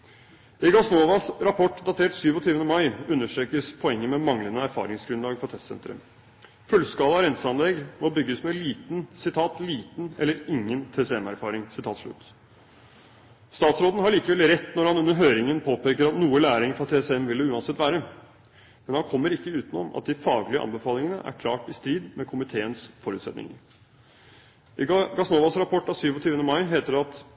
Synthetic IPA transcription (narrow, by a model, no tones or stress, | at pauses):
ɪɡɑsnoːʋɑsɾɑpʰɔʈːd̪ɑt̪ʰeːʈsyːʋɔt̪ʰyːʋənəmɑɪʉnːəʂʈɾeːkəspʰɔɛŋːəmɛmɑŋlənəæɾfɑ̰ːɾɪŋsɡɾʉnlɑːɡfɔt̪ʰɛst̪sɛ̰nt̪ɾə̰ | fʉlːskɑːlɑɾɛnsəɑnlɛɡmɔbʏɡːəsmɛliːt̪nsɪt̪ʰɑːt̪liːt̪n̩ɛlːəɾɪŋːənt̪ʰeːsɛɛmæ̰ɾfɑːɾɪŋsɪt̪ʰɑːt̪ʂɭʉ̰t̪ː | st̪ɑːt̪sɾoːd̪n̩ɦɑɭiːkəʋɛlɾɛt̪ːnɔɾhɑnʉnːəɾɦøːɾɪŋənpʰoːpʰeːkəɾɑt̪nuːəlæːɾɪŋfɾɑt̪ʰeːsɛmʋɪlːəʉːɑnsɛt̪ːʋæːɾə | mɛnhɑnkʰɔmːəɾɪkːəʉːt̪ənɔ̰mʔɑ̰t̪̚d̪ɪfɑːɡlɪəʔɑ̰nbəfɑːlɪŋənə̰ʔæ̰ɾkʰlɑ̰ːʈɪst̪ɾiːd̪mɛkʰʊmɪt̪ʰeːənsfɔɾʉːt̪sɛ̰t̪nɪ̰ŋə̰ɾ | ʔɪɡɑsnoːʋɑsɾɑpʰɔʈːɑsyːʋɔt̪ʰyːʋənəmɑɪɦeːt̪əɖɛɑt̪